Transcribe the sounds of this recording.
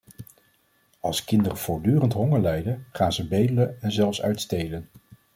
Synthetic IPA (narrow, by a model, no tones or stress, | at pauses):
ɑlˠskɪndərəv̥ʊːɹdyːrəntɦɔŋəɹlɛjdəχaːnzəbejdələɛnzɛlˠfsœ̰ɥtstejlən